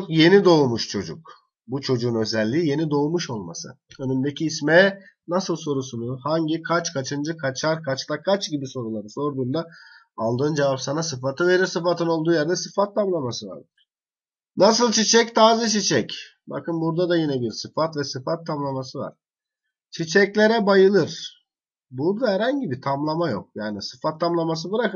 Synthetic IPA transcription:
okje̞nid̪o̞umuʃt͡ʃʰo̞̰d͡ʒṵk̚ | but͡ʃʰo̞d͡ʒuːnø̞zɛlʲːiːje̞nid̪o̞umuʃo̞lˠma̰sɯ̰ønymd̪ecʰiːsmɛnasɯlˠso̞ɾusunuhaɲɟikʰat͡ʃkʰat͡ʃʰɯnd͡ʒɯkʰat͡ʃʰaɾkʰat͡ʃlˠakʰat͡ʃɟibiso̞ɾulˠaɾɯso̞ɾd̪und̪a | alˠd̪ɯːnd͡ʒevapsanasɯfat̪ʰɯve̞ɾiɾsɯfat̪ʰɯno̞lˠd̪uːjaɾd̪ɛsɯfat̪ʰːamlˠamasɯva̰ɾd̪ɯɾ̥ | nas̬ɯlˠt͡ʃʰit͡ʃʰɛc̚t̪ʰaːzɯt͡ʃʰit͡ʃʰɛc | ba̰kɯnbuɾd̪ad̪ajinɛbiɾsɯfat̪vɛsɯfat̪ʰːamlˠamasɯva̰ɾ̥ | t͡ʃʰit͡ʃʰɛclʲeɾɛbajɯlˠɯɾ̥ | buɾd̪ahɛɾhaɲɟibit̪ʰamlˠamajo̞̰k̚jaːnisɯ̥fat̪ʰːamlˠamas̬ɯbɯɾakɯ

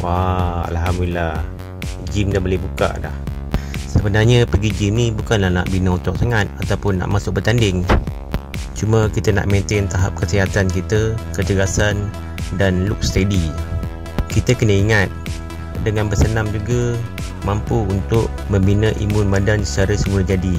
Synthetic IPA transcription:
waa̰lɦamdulilah | d͡ʒimdabolɛhbuka̰ʔda̰hsəbənarɲəpəɡid͡ʒimnibukanlahna̰ʔbinəut̪ɔk̚saŋat̪̚at̪awpʊnːa̰ʔmasʊk̚bət̪andɪŋ | t͡ʃuməkit̪əna̰ʔmẽnt̪ɪnt̪aɦa̰p̚kəsiɦat̪ankit̪əkət̪əɡasan | danlʊk̚sə̥t̪edi | kit̪əkənəiŋat̪̚ | dəŋanbəsənamd͡ʒuɡə | mampuunt̪ʊʔ | məmbinəʔḭmʊnbadansət͡ʃaɾəsəmulad͡ʒadi

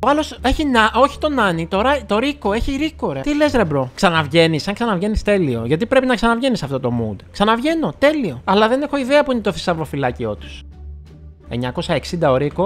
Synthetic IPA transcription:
oɐlo̞se̞çinɐʔo̞çi̥t̪o̞nɐnit̪o̞ɾɐt̪o̞ɾiko̞e̞çiɾiko̞ɾet̪ilesɾebɾo̞ksɐnɐvʝe̞nisɐŋksɐnɐvʝe̞nist̪e̞lio̞ʝɐt̪ipɾe̞pinɐksɐnɐvʝe̞nisɐft̪o̞t̪o̞mṵd̪ksɐnɐvʝe̞no̞t̪e̞lio̞ɐlɐðe̞ne̞xo̞iðeɐpuinet̪oθi̥sɐvɾo̞filɐcio̞t̪u̥s | e̞̰ɲɐko̞sɐe̞ksind̪ɐoɾiko̞

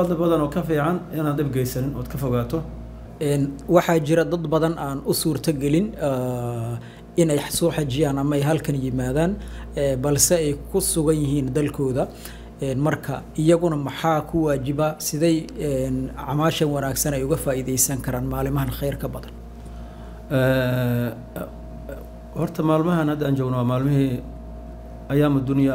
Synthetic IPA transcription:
fɐd̪ɐbɐðɐnɔːkʰɐfiːʕɑnɪnaːnd̪ɪbɡɛjsɐnɪnɔ̰ːd̪kʰɐfɔɣaːt̪ʰɔ | ʔɛːnwɑħɑt͡ʃɪɾɐd̪ɐd̪bɐðɐnʔaːnʊsuːrt̪ʰɐɡɛlɪnː | ɪnɛjsɔːħɑt͡ʃɪjaːnɐmɐɛjɦɐlkʰɐnjɪmaːðaːnɛːbɐlsɛɛjkʰʊsʊɣɐnjɪɦiːnd̪ɐlkʰɔːðɐ | ɛnmɐrkʰɐ | ɪjɐɣʊnɐmɐħɑːkʰʊwaːt͡ʃɪbɐsɪðɛjɛnʕɑmaːʃɐnwɐnaːɡsɐnɛjʊɣɐfaːiːðɛjsɐŋkʰɐɾaːnmaːlɪmɐɦɐnχɛjrkʰɐbɐðɐn | ɛ | hɔrt̪ʰɐmaːlmɐɦɐnhɐd̪aːnt͡ʃɔːɡnɔwamaːlmɪhi | ɐjaːmɐd̪ʊnɪjɐ

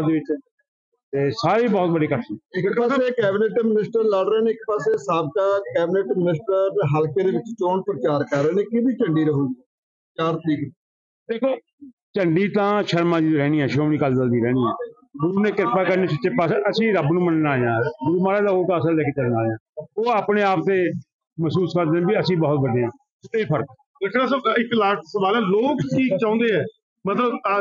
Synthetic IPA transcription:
d̪eːʋɪt͡ʃː | t̪eːsaːɾiːbɔːt̪̚bəɖiːkəiɪkpaːseːkɛːbɪneːʈmɪnɪsʈəɾlaɽɾeːneːɪk̚paːseːsaːb̚kaːkɛːbɪneːʈmɪnɪsʈəɾɦəlkeːd̪eːʋɪt͡ʃt͡ʃoːnpɾət͡ʃaːɾkəɾːeːneːkibiːt͡ʃəɳɖiːɾəɦõː | t͡ʃaːɾt̪ɾiːkː | d̪eːkʰoː | t͡ʃəɳɖiːt̪ãːʃəɾmãːd͡ʒiɾɛːniːɛ̃ːʃoːmniːkəld͡ʒəld̪iːɾɛːniːɦɛ̃ː | ɡʊɾuːneːkɪɾpaːkəɾneːt͡ʃʰɪt͡ʃːeːpaːseəsĩːɾəbnũːmənnaːleːãːɡʊɾuːmaːlaːd̪aːoːt̪ãːsəːlɛeːkeːt͡ʃəlnaːleːãːoːaːpneːaːpt̪eː | məsuːskəɾd̪eːɛ̃ːbiːəsĩːbɔːt̪̚ʋəd̪eːãː | eːpʰəɾk | ekʰɾaːsəɪkːlaːʈʰsəʋaːlɛ̃ːloːkʈʰiːk̚t͡ʃãːõːnd̪eːɦɛː | mət̪ləb

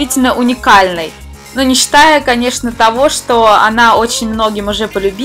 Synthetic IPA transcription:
itʲɪlʲnəʔʊnʲɪkalʲnəj | nunʲɪɕːɪ̥t̪ajʊkɐnʲe̞ʂnət̪ɐvo̞ʂt̪o̞ɐ̰nao̞t͡ɕɪnʲmno̞ɡʲɪmʊʐɛpəlʲʊbʲi

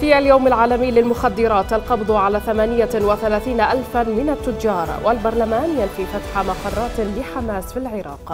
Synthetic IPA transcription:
fiːʔaljawmalʕaːlamɪjːlɪlmʊxad̪ːɪɾˤɑːt̪ʔalqɑbd̪ˤʕalaːθamaːnɪjawɪθalaːθiːnaʔalfanmɪnat̪ːʊd͡ʒɑːɾˤwʔalbɑɾˤlamaːnjanfifat̪ħamɑqɑrˤːɑːt̪lɪħamaːsfilʕɪɾɑ̰ːq

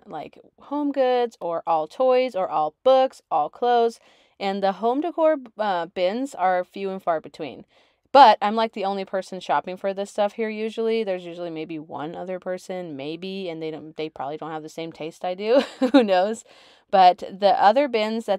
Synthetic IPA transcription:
la̰ɪk | hõʊ̃mɡʊdz̥ə˞ʔɔlˠtʰɔɪzə˞ʔɔlˠb̥ʊksɔlˠkʰl̥oʊz | ɨ̃nðəɦõʊ̃mdɨkʰɔɹʌb̥ɪ̃nzə˞fjʉɨ̃nfɑɹbɨtʰw̥ḭ̃n | b̥ʌɾãɪ̃mlaɪk̚ðiõʊ̃nlipʰɜ˞sn̩ʃɑpɪ̃ŋfə˞ðɪstʌfhiɹjʉʒl̩ˠiðə˞zjʉʒl̩ˠimeɪbiwʌ̰̃nʌðə˞pʰɜ˞sɨ̃nmeɪbiɨ̃nðeɪɾõʊ̃nðeɪpʰɹ̥ɑ̰bəblidõʊ̃nthɨvðɨsẽɪ̃mtʰeɪstaɪdʉhunoʊz̥ | b̥ʌt̪̚ðiʔʌðə˞bɪ̃nzðɨt

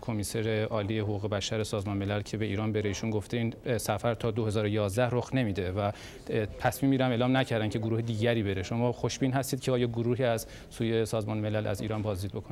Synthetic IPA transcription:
kʰomiseɾe̞ʔɒːliːehoɣuːɣe̞bæʃæɾesɒːzmɒːnmelælcʰe̞be̞iːɾɒːnbe̞ɾe̞iːʃunɡoft̪ʰeiːnsæfæɾt̪ʰɒːd̪ohe̞zɒːɾojɒːzd̪æhroxne̞miːd̪e̞væ | t̪ʰæsmiːmbiːɾæmeːlɒːmnæcʰæɾd̪æncʰe̞ɡoɾuːhed̪iːɟæɾiːbe̞ɾeʃo̞mɒːxo̞ʃb̥iːnɦæst̪iːd̪̥̚cʰeɒːjɒːɡoɾuːɦiːæz | suːje̞sɒːzmɒːnme̞lælæ̰zḭːɾɒːnbɒːzd̪iːd̪̚bo̞kʰon

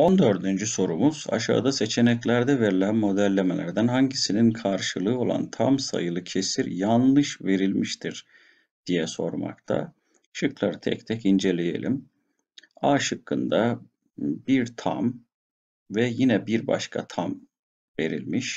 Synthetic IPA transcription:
o̞nd̪ø̞ɾd̪ynd͡ʒyso̞ɾumuz̥a̰ʃa̰ːd̪ase̞t͡ʃʰe̞nɛclʲæɾd̪ɛve̞ɾilʲænmo̞d̪ælʲːeme̞lʲæ̰ɾd̪ænhaɲɟisininkʰaɾʃɯlˠɯːo̞lˠa̰nt̪ʰamsa̰jɯlˠɯcʰe̞siɾjanˠlˠɯʃve̞ɾilʲmiʃt̪ʰiɾ | d̪̥ijɛso̞ɾma̰kt̪ʰa̰ | ʃɯklˠaɾɯt̪ʰɛ̰ct̪ʰɛcind͡ʒe̞lʲeje̞̰lʲḭm | aːʃɯkːɯnd̪a | biɾt̪ʰa̰m | vɛjinɛbiɾba̰ʃkʰa̰t̪ʰam | ve̞̰ɾḭlʲmiʃ

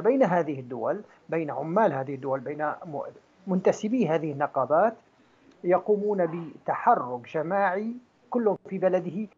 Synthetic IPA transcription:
bejnaɦaːðɪhɪd̪ːʊwal | bejnaʕʊmːaːlɦaːðɪhɪd̪ːʊwalbejːna | mʊnt̪asɪbiːɦaːðɪhɪnːɑqɑːbaːt̪ | jɑquːmuːnabɪt̪aħɑrːʊkd͡ʒamaːʕi | kʊlːhʊfibalad̪ɪhɪ

